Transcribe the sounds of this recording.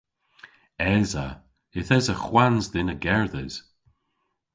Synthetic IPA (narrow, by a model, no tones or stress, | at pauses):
ɛzə | ɪθɛzəxwanzdɪnəɡɛɹðɛz̥